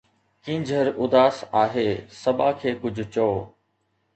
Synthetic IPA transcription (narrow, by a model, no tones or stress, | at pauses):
kĩːɲd͡ʑʱəɾʊd̪aːsaːɦeːsɐbaːkʰeːkʊd͡ʑʱʊ̆t͡ɕoː